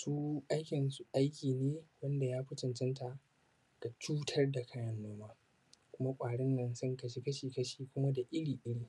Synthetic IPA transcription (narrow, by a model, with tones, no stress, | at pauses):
suː˦ʔa˦jkʲɪ˨nsu˨ʔa˦jkʲiː˨neː˦wɐ˦nda˨jaː˦ɸɪ˦tɪ˨nt͡ʃɪ˦nta˨ | ɡ̥a˨t͡ʃuː˦tʰɐ˦rda˨kʰaː˦jɐ˦nːoː˦maː˦ | kʷʊ˦ma˦kʷʼaː˨ɽɪ˦nːɐ˨nsɐ˦ŋkɐ˨ʃi˦kɐ˦ʃiː˨kɐ˦ʃiː˨kʷʊ˦ma˦da˨ʔɪ˦ɽiː˨ʔɪ˦ɽiː˨